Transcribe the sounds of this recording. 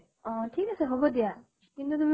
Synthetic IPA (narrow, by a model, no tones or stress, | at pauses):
ɔ̃ʈʰikaseɦɔbod̪ija | kint̪ut̪umi